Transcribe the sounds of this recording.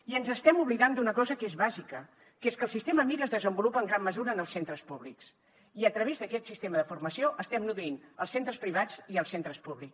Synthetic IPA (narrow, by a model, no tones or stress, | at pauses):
iənzəst̪ɛmuβliðand̪unəkɔzəkezβazikə | keskəlˠsist̪eməmiɾəzðəzəmbulupəːŋɡɾamːəzuɾəːnəlˠsent̪ɾəspuβliks | iət̪ɾəβ̞ezðəkɛt̪sist̪eməðəfurməsioʔəst̪ɛmnuðuinəlˠsent̪ɾəspɾiβ̞ad͡ziəlˠsent̪ɾəspuβlik